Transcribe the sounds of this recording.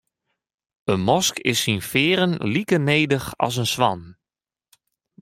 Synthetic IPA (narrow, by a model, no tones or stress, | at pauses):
ənmɔskɪ̰sːinfɪːɾənlikəneːdəxɑ̰s̬ənsʋɑn